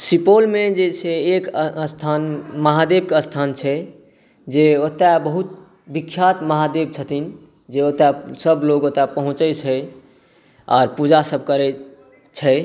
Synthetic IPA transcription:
sipolmed͡ʒet͡ʃʰɛekst̪ʰanməɦad̪eb̚keəst̪ʰant͡ʃʰɛ | d͡ʒeot̪ːabəɦut̪̚ | bikʰːjat̪məɦad̪eb̚t͡ʃʰət̪ʰin | d͡ʒeot̪asəbloɡot̪apəɦũt͡ʃɛt͡ʃʰɛ | ɔ̰ːɾpud͡ʒasəb̚ʱkəɾɛ | t͡ʃʰɛ

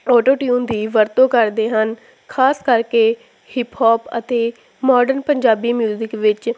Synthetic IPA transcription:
ɔːʈoːʈjũːnd̪iːʋəɾt̪õːkəɾd̪eːɦən | kʰaːskəɾkeː | hɪpʰhɔːpə̰t̪eː | mɔːɖəɾnpəɲd͡ʒaːbiːmjuːzɪkʋɪt͡ʃ

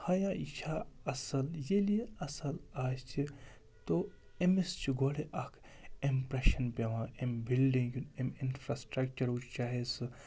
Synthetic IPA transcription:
hɐjait͡ʃʰaɐsɐljelieɐsɐlaːst͡ʃʰi | t̪o | emest͡ʃʰiɡoɽeʔɐkʰ | impɾeʃɐnpʲeʋãembilɖĩŋɡjuneminfʰɾasʈɾɐkt͡ʃɐɾut͡ʃʰt͡ʃaːɦesɨ

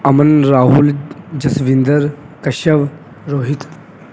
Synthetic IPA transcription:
ɐmənɾaːɦuld͡ʑɐsʋind̪əɾ | kɐɕəʋ | ɾoɦit̪

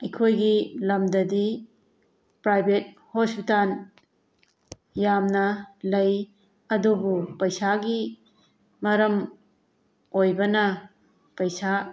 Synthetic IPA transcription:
ɐjkʰojɡilɐmdɐdi | pɾajbet̚ | hospitan | jamnɐlɐj | ɐdubupɐjsaɡi | mɐɾɐm | ojbɐnɐ | pɐjsa

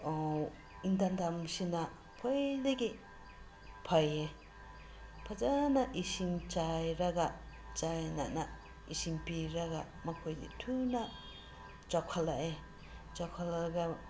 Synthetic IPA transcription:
ow | indandamsina | pʰojdeɡi | pʰaje | pʰazanaʔisiŋt͡ʃajɾaɡa | t͡ʃajnana | isimpiɾaɡa | makʰojdḭtʰuna | t͡ʃakʰalaʔe | t͡ʃakʰːalaɡa

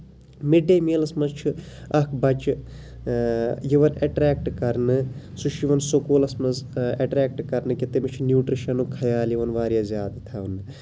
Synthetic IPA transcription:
miɖemeːlɐsmɐzt͡ʃʰuɐkʰbɐt͡ʃ | jiʋɐnɐʈɾeːk̚ʈkɐɾnɨ | suʃʰjiʋɐnsokoːlɐsmɐzɐʈɾeːk̚ʈkɐɾnɨkit̪emit͡ʃʰunjuːʈɾiʃɐnukʰɐjaːljiʋɐnʋaːɾjaːzʲjaːd̪ɨt̪ʰaunːɨ

